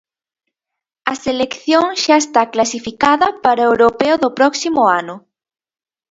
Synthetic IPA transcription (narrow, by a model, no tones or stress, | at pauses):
ɐselekθjoŋʃaest̪aklasifikaðɐpaɾaewɾopeʊðopɾɔksimʊanʊ